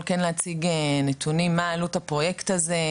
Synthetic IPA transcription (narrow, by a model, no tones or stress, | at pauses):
lkenleat͡siɡenet̪ʰunimːaːlut̪apʁo̞jekt̪aze